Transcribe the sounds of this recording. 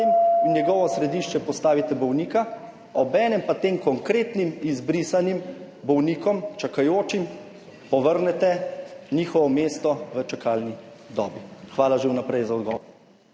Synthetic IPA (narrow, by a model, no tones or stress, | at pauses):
iminjɛɡɔʋɔsɾɛd̪iːʃt͡ʃɛpɔst̪aːʋit̪ɛbɔwniːka | ɔbɛːnɛmpat̪eːmkɔŋkɾeːt̪nimizbɾisanim | bɔwniːkɔmt͡ʃakajoːt͡ʃim | pɔʋəɾnɛt̪ɛniːxɔʋɔmeːst̪ɔʋət͡ʃakaːlnid̪ɔ̰ːbixʋaːlaʒewnapɾɛjzaɔd̪ɡɔ̰ːɔ